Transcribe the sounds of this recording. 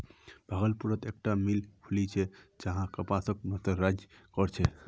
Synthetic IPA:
bʱaɡəlpuɾət̪ek̚ʈamilpʰulit͡ʃʰɛd͡ʒəɦãkəpasək̚məsəɾːad͡ʒjkɔɾt͡ʃʰɛ

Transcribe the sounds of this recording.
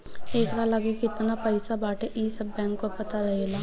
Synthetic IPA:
eːkɾalaɡekɪt̪napɐɪsabaːʈʰeʔiːsɐbːɛ̃ːŋkopɐt̪aɾɐɦelaː

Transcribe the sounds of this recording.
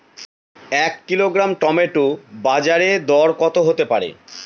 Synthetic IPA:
ɛkːiloɡɾamʈɔmeʈobad͡ʑaɾed̪ɔɾkɔt̪oɦot̪epaɾḛ

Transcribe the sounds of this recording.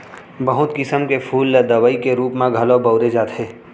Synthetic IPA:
bəɦʊt̪kɪsəmkepʰuːlːəd̪ɐʋəikeɾuːpmãɡʱɐlobəʊɾed͡ʒaːt̪ʰɦeː

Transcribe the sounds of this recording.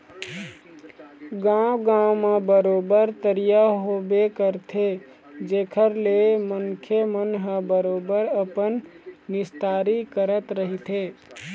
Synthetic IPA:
ɡãwɡãmãbəɾoːbəɾt̪əɾijaɦobekəɾt̪ʰe | d͡ʒeːkʰəɾleməŋkʰemənɦãbəɾoːbəɾəpənːɪst̪aːɾikəɾət̪ɾəɦit̪ʰe

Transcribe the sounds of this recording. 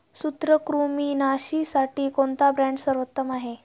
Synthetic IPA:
sut̪ɾəkɾumiːnaɕiːsaʈiːkont̪abɾãɳɖsəɾʋət̪ːəmaɦe

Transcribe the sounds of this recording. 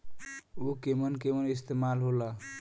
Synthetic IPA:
okemənkemənist̪emalɦola

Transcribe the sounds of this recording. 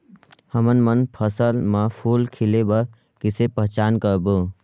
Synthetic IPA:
həmənmənpʰəsəlməpʰuːlkʰilebə | kisepəɦt͡ʃaːnkəɾbu

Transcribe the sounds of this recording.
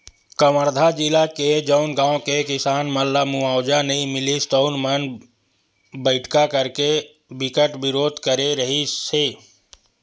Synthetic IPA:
kəməɾd̪ʱad͡ʒɪlaked͡ʒəʊnɡãːõkekɪsaːnməlːamuaːʊd͡ʒanəɦĩmɪlist̪oːnmən | bəɪʈʰkakəɾke | bɪkəʈbɪɾoːd̪ʱkəɾeɾəɦiseː

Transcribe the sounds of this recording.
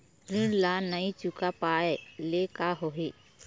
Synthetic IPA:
ɾɪɽlanəĩt͡ʃʊkapaːelekaɦoɦeː

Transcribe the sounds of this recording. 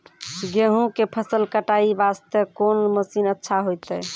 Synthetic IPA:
ɡeɦũkepʰəsəlkəʈaibast̪əkonməsinətːʃʰaɦojt̪əj

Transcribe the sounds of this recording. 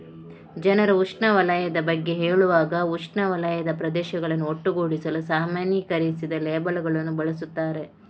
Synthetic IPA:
d͡ʒɐnɐɾɐuʂɳɐʋɐlɐjɐd̪ɐbɐɡːe̞ɦeːɭuʋaːɡɐuʂɳɐʋɐlɐjɐd̪ɐpɾɐd̪ɛːʃɐɡɐɭɐnːuoʈːuɡoːɽisɐlusaːmaːnjɐkɐɾisid̪ɐleːbɐɭɡɐɭɐnːubɐɭɐsut̪ːaːɾe̞

